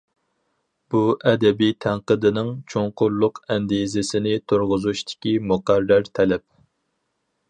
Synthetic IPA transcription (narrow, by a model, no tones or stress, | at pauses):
b̥uʔɛd̪ɛbijt̪ʰæŋqəd̪ɪnɪŋt͡ʃʰoŋqʊllːˠʊqʰɛnd̪izɪsɪnɪt̪ʰoɾʁʊzuʃt̪ʰɪ̥kʲimuqæɾːæɾt̪ʰɛlɛp̚